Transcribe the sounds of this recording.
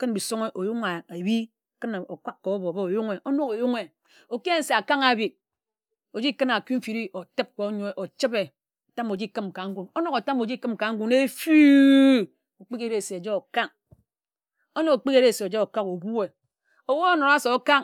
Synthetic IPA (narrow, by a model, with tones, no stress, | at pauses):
kɨ˦nbi˨so˦ŋe˦ʔo˨ju˦ŋa˨a˨bi˦˨ | kɨ˦n˨o˨kʷa˦kko˨o˦bo˨be˦o˨ju˦ŋe˨ʔo˦no˦ko˨ju˦ŋe˨ | o˨ki˦e˦n̩˦se˨a˨ka˦ŋa˨bi˨t̚ | o˨d͡ʒi˦kɨ˦na˨ki˦m̩˦fi˨ɾi˦o˨te˦p̚ko˨˦ɲo˦e˨ʔo˨t͡ʃi˦be˨ | o˨ta˦mo˨d͡ʒi˦kɨ˦mka˨ŋ̩˦ɡʷu˨no˦no˦ko˨ta˦mo˨d͡ʒi˦kɨ˦m˨ka˨ŋ̩˦ɡʷu˦ne˦fu˦ | o˨k͡pi˦ke˦ɾe˨se˨o˨d͡ʒo˦o˨ka˦ŋ | o˦no˦ko˨k͡pi˦ke˦ɾe˦˨se˨o˨d͡ʒo˦o˨ka˦ko˨ɡu˦e˨ | o˨wo˦o˦no˨ɾa˦so˨˦ka˦ŋ